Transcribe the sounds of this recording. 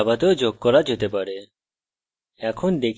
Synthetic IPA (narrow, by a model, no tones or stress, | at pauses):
bat̪od͡ʑoɡ̚kɔɾad͡ʑet̪epaɾe | ɛkʰond̪ekʰ